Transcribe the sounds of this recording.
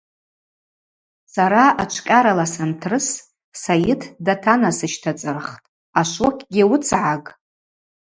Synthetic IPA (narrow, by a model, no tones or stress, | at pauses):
saɾaat͡ʃʷʰkʲʼaɾalasantʰrɨs | sajɪtʰdatʰanasɨʃtʰat͡sʼɨrχtʼ | aʃʷokʲʼɡʲɪwʊt͡sʰʕakʼ